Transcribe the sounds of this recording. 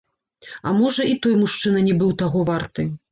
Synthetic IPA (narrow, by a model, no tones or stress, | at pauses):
ɐmɔʐɐit̪ɔjmuʂt͡ʂɨnɐnʲɛbɨwt̪aɣɔvart̪ɨ